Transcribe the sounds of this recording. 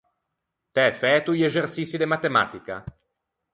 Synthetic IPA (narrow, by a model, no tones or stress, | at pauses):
t̪ɛfɛt̪uʎezersisid̪emat̪ema̰ːt̪ika̰